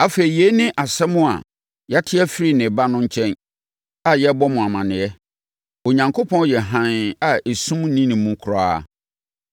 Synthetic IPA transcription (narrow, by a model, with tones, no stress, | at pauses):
a˨fe˨ɾi˨jɛ˨˦nɪ̃˦ʔa˨sɛ˦mʊ̃˦a̰˨ | ja˦tʰɪ˦ɛ˦fi˦ɾi˨nɪ̃˨ba˦nʊ̃˦ɲ̩˦t͡ɕʰɛ̃˦n | a˨jɛ˦bɔ˦mʊ̃˨a˨mã˨nɪ̃˨ɛ˦ | o˨ɲã˨ŋkʰo˦pʰɔ̃˦n˦jɛ˨ɦã˨na˨e˨sũ˦m˦nĩ˦nɪ̃˨mũ˦kʰʊ˨ɾa˦˨